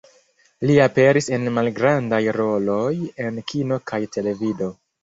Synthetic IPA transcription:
liape̞ɾise̞nmalɡɾandajɾo̞lo̞je̞nkino̞kʰajte̞le̞vido̞

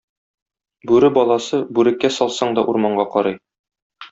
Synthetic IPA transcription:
bʉɾɘbɒlˠɑsɤbʉɾɘ̆kːæsɒlˠsɑɴd̪ɒʔuɾmɑɴɢɑqɒɾɑj

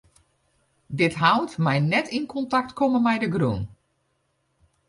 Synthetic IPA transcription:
dɪtɦawtmɛjnɛtinkʰɔntaktkʰoməmɛjdəɡrṵn

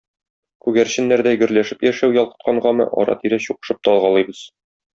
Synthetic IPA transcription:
kʉɡæɾɕɘ̆nːæɾd̪æjɡɘ̆ɾlæʃɘpjæʃæwjɒlˠqɤ̥̆t̪̚qɑɴɢɑmɤ̰ʔɒ̰ɾɑ̰t̪iɾæɕuqɤ̥̆ʃɤp̚t̪ɒlˠʁɑlˠɤjbɤz̥

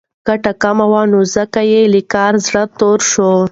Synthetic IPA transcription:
ɡ̥aʈakamawanozəkajelɪkɑɾzɽət̪oɾʃo

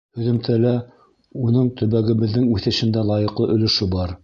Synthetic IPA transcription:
hɵ̆ðɵ̆mt̪ʰælæ | unɤɴt̪ʰɵ̆βæɡɘ̆βɘ̆ðːɘŋʉθɘ̆ʃɘ̆nd̪ælˠɑjɤ̆qlˠɤʔɵ̆lɘ̆ʃɵbɑɾ

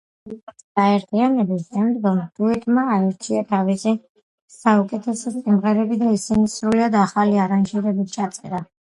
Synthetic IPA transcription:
ɡaɛɾt̪ʰianɛbiʃɛmd̪ɡɔmd̪ʼuit̪ʼmaːɛɾt͡ʃʰiat̪ʰavisi | saukʼɛt̪ʰɛsɔsʼimʁɛɾɛbid̪aisinisɾuliad̪aχaliaɾand͡ʒiɾɛbit̪̚ʰt͡ʃʰat̪sʼɛ̰ɾa

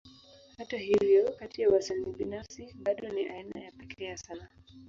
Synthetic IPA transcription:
hataɦivjɔkatiawasaliɓinafsiɓaɗɔniʔaina̰japɛkʰɛasana

